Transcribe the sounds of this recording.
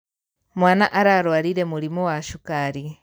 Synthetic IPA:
mwaːnaʔaɾaːɾwaːɾiɾemuɾimuwaʃukaɾi

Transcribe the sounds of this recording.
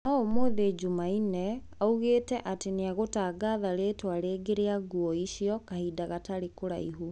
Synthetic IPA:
naomoðed͡ʒumainɛ | auɣeːtɛʔateneaɣotaːɡaðaɾetwaɾeːɡeɾeaɡuɔiɕiɔkahiːdaɣataɾekoɾa̰ḭɦu

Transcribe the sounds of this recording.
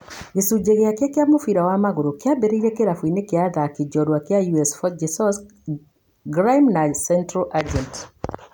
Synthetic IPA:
ɡesud͡ʒeɣeakjakjamofiɾawamaɣuɾokjabeɾeiɾekeɾafwinekeaðakid͡ʒɔɾwakjajuɛsfɔd͡ʒɛsɔs | ɡɾajmnasɛntɾalʔad͡ʒɛnt

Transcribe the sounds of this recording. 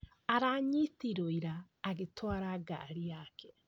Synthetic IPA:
aɾaːɲitiɾoiɾaː | ɣetʰwaɾaɡa̰ɾijakʰɛ

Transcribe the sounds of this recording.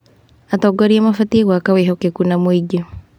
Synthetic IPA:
atɔɡɔɾiamafatieɣwakaweɦɔkekunamoiɟo

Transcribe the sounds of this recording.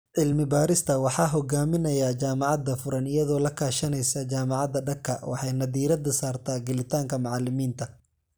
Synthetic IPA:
ʕɪlmɪbaːɾɪst̪ʰɐwɑħɑːɦɔɡaːmɪnɐjaːt͡ʃaːmɑʕɑd̪ɐfʊɾɐnɪjɐðɔːlɐkʰaːʃɐnɛjsɐd͡ʒaːmɑʕɑd̪ɐɖɐkʰːɐ̰wɑ̰ħɑjnɐðiːɾɐd̪ɐsaːrt̪ʰaːɡɐlɪt̪ʰaːŋkʰɐmɑʕɑlːɪmiːnt̪ʰɐ

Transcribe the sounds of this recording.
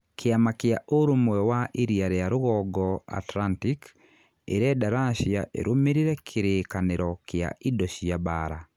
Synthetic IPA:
kʰeamakjaʔoɾomwɛwaʔeɾiaɾeaɾoɣɔɡɔa̰tlantik | ḛɾɛdaɾaʃia̰ʔḛɾʔomeɾiɾɛkʰeɾekaneɾɔkea̰ʔidɔʃiabaɾa

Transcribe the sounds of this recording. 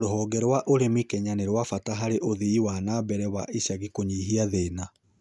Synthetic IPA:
ɾoɦɔːɡɛɾwaʔoɾemikɛɲaneɾwafataɦaɾeʔoðiːwanabɛɾɛwaʔiɕaɣikoɲiːɦiaðeːna

